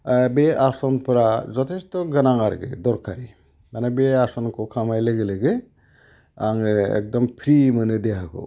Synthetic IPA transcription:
beasɔnpʰɯɾazɔtʰestɔɡɯnaŋaɾɡɯ̰dɔɾkʰaɾi | manabeasɔnkʰɔkʰamajleɡeleɡɯ | aŋɯɛ̰k̚dɔmpʰɾimɯnɯdeɦakʰɔ̰

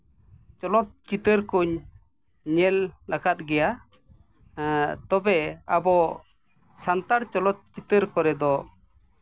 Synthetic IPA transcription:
t͡ʃɔlɔt̪̚t͡ʃit̪əɾkuɲ | ɲɛlːakat̪̚ɡɛja | t̪ɔbɛabɔ | sant̪aɾt͡ʃɔlɔt̪̚t͡ʃit̪əɾkɔɾɛd̪ɔ

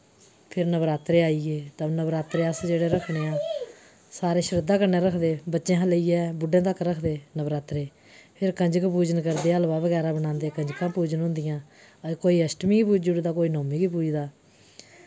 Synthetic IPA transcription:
pʰɪɾnəbɾaːt̪ɾeːaːiːɡeːt̪ənəbɾaːt̪ɾeːəsd͡ʒeːɽeːɾəkʰɽeːaː | saːɾeːʃəɾɪd̪ːaːkəɾneːɾəkʰd̪eːbətːʃẽːɦələiːɛːbʊɖẽːt̪̬əkɾəkʰd̪eːnəbɾaːt̪ɾeː | pʰɪɾkəɲd͡ʒəkpuːd͡ʒənkəɾd̪eːəlʋaːbəɡɛːɾãːbəɽãːnd̪eːkəɲd͡ʒkãːpuːd͡ʒənɦʊ̃nd̪ɪjãː | koːiːəsʈmiːɡiːpuːd͡ʒʊɽd̪aːkoːiːnoːmiːɡiːpuːd͡ʒd̪aː

